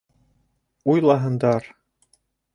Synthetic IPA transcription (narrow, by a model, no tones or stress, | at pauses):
ujlˠɑɦɤ̆nd̪ɑɾ